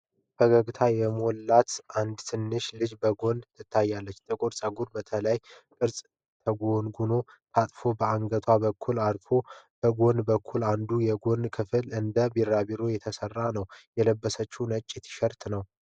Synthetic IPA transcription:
fʰəɡəɡt̪ʰajɛmolːat̪ʔand̪t̪ʰɨnːɨʃlɨd͡ʒbəɡo̞nd̪t̪ʰɨt̪ʰːajːalːət͡ʃːt̪ʰəkʼoɾsʼəɡuɾbət̪ʰələj | kʼɨɾsʼ | t̪ʰəɡonɡuno̞ | t̪ʰat̪ʼfo̞bəaŋɡət̪ʰwabəkʰːulaɾfʰo̞b̥əɡo̞nd̪bəkʰːuland̪ujɛɡo̞nkʰɨfɨlɨnd̪əbiɾaβiɾo̞jɛt̪ʰəsərːanəwjɛləbːəsət͡ʃːunət͡ʃʼːɛt̪ʰi̥ʃəɾt̪nəw

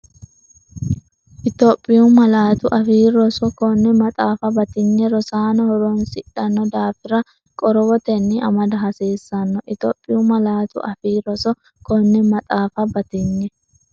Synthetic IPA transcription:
ʔɪt̪oːpʼːɪjumɐlaːt̪ʊʔɐfiːɾɔsɔkɔnːɛmɐt̪ʼaːfɐbɐt̪ɪɲːɛɾɔsaːnɔhɔɾonsɪᶑɐnːɔd̪aːfɪɾɐ | kʼɔɾɔwɔt̪ɛnːɪɐmɐd̪ɐɦɐseːsːɐnːɔʔɪt̪o̰ːpʼːɪjumɐlaːt̪ʊ̰ʔɐfiːɾɔsɔ | kɔnːɛmɐt̪ʼaːfɐbɐt̪ɪɲːɛ

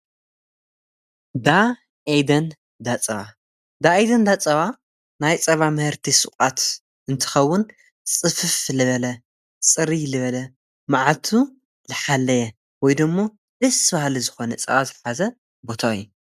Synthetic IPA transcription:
d̪a | ʔejd̪ɐn | d̪at͡sʼɐβa | d̪aejd̪ɐnd̪at͡sʼɐβa | najt͡sʼɐβamɨhɨɾt̪ʰisɨkʼat̪ | ʔɨnt̪ʰɨ̥xɐwːʊn | t͡sʼɨfɨflɨβɐlɐ | t͡sʼɨɾilɨβɐlɐ | maʕalt̪ʰu | lɨħalːɐjɛ | wɔjd̪ɨmːo̞ | lɨsβahlizɨxo̞nɐt͡sʼɐ̰βazɨħazɐ | bo̞t̪ʰaɨjːu

